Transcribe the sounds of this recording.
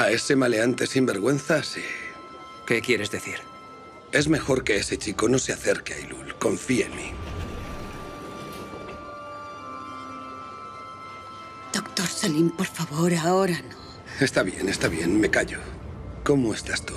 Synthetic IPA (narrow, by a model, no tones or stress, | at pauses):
ae̞se̞male̞ant̪e̞simbe̞ɾɣwe̞nθasi̥ | ke̞kje̞ɾezðeθiɾ | e̞zme̞xo̞ɾke̞ese̞t͡ʃiko̞no̞seaθe̞ɾkea̰ilulko̞ɱfieenmḭ | d̪̥okt̪oɾsalimpoɾfaβoɾaoɾano | e̞st̪aβje̞̰nest̪aβje̞nme̞kaʎo̞ko̞moest̪ast̪u̥